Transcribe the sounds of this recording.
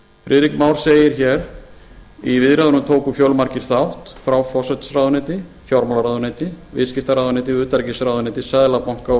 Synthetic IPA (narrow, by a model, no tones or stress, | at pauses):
fɾɪðɾikmawɾ̥seːjɪɾ̥çɛɾ | ivɪðɾɛðʏnʏmt̪ʰoːwkʏfjœwlmaɾ̥cɪɾ̥θawht̪fɾawfɔsɛt̪srawðʏnɪt̪ɪfjɔwɾmɔlaɾaðʏnet̪ɪvɪ̰ðscɪft̪aɾaðʏnɪːt̪ɪʏːt̪aɾcɪsɾawðʏnɪːt̪ɪsɛðlapawŋ̥ka